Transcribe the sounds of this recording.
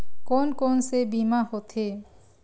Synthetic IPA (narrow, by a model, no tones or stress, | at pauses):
konkonsebimahot̪ʰe